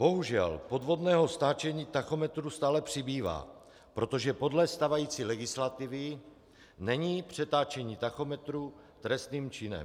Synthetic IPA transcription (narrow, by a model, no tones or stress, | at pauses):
b̥o̞ɦuʒɛ̰lpo̞d̪vo̞d̪nɛːɦo̞st̪aːt͡ʃɛɲiːt̪axo̞mɛt̪ɾust̪aːlɛpr̝̥ɪbiːva̰ː | pɾot̪o̞ʒɛpo̞dlɛst̪avajiːt͡silɛɡɪslat̪ɪvɪ | nɛɲiːpr̝̥ɛt̪aːt͡ʃɛɲiːt̪axo̞mɛt̪ɾu | t̪ɾɛst̪niːmt͡ʃɪnɛ̰m